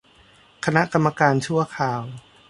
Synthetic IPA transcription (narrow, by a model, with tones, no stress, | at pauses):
kʰa˧na˦˥ʔka˧mːa˧kaː˧nt͡ɕʰu˥˩ɐkʰaː˨˧˩w